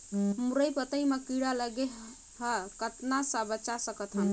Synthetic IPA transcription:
muɾəjpət̪əjmekiɽaləɡeɦ | ɦəkət̪nasəbət͡ʃasəkət̪ʰɦən

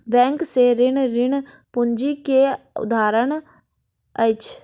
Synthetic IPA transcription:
bɛ̃ːŋkseɾɪnɾɪɳ | pʊɲd͡ʒike | ʊ̰d̪aːɾəɳ | ət͡ʃʰ

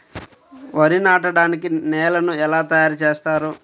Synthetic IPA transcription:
ʋɐɾinaːʈɐɽaːnikinɛːlɐnuɛlaːt̪ɐjaːɾut͡ʃeːst̪aːɾu

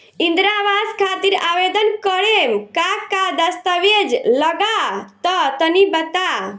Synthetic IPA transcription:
ĩnd̪ɾaʋaskʰaːt̪iɾaːʋed̪ənkəɾemkakad̪əst̪əʋed͡ʒləɡat̪ɔt̪ənibət̪a

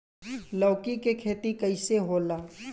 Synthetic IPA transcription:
lɔːkikekʰeːt̪ikəɪseɦoːlaː

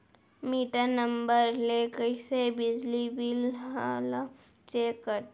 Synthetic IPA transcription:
miːʈanəmbəɾlekəsebɪd͡ʒlibilala | t͡ʃeːkːəɾt̪

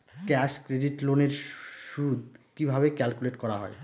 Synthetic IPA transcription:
kɛʃkɾeɖiʈloneɾʃud̪kibʱabekɛlkuleʈkɔɾaɦɔe

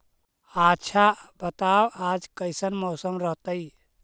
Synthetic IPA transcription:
atːʃʰabət̪awad͡ʒkəɪsənmoʊsəmɾəɦt̪əj

